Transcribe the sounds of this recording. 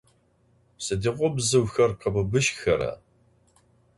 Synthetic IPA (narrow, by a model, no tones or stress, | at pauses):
sɨdiʁʷʊbzɨwxɐrqɐbɨbɨʃxɐɾɐ̰